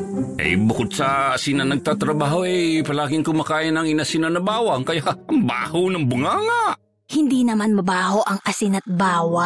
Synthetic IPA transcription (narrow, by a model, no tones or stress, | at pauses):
ʔɛ̰jbʊkʊd̪̚sɐsɪnɐnɐɡ̚t̪at̪ɾɐbaːhoʔɛjpɐlaːɡɪŋkʊmakaːjɐnɐŋɪnasɪnɐnɐbaːwɐŋkɐjaʔʔɐŋba̰ːhonɐŋbʊŋaŋa | hɪnd̪inɐmanmɐbaːɦoʔɐŋʔɐsɪnɐt̪̚baːwa